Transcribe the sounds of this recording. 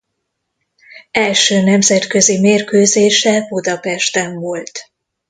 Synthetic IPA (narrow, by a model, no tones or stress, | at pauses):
ɛlʃøːnɛmzɛt̪kø̞zimeːrkøːzeːʃɛbud̪ɒpɛʃt̪ɛɱvolt̪